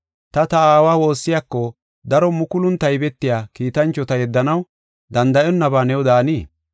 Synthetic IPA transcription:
t̪ɐt̪ɐaːwaːwo̞ːsːɪjakːɔ | d̪ɐɾɔmʊkʊlʊnt̪ːɐjbɛt̪ːɪjaːkiːt̪ɐnt͡ʃːɔt̪ɐjɛd̪ːɐnɐw | d̪ɐnd̪ɐʔɔnːɐbaːnɛwd̪aːniː

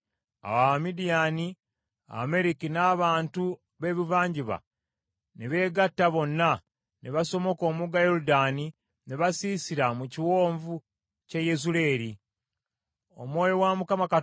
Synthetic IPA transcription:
a̰wamidijani | a̰me̞ɾikinaːβaːntu | βe̞ːβivaːɲɟiβa̰ | neβe̞ːɡatːaβo̞nːa | neβaso̞mo̞ko̞ːmuɡajo̞ɾudaːni | neβasiːsiɾamuciwo̞ːɱvu | cejezule̞ːɾi | o̰mwo̞ːjo̞wamukamaka

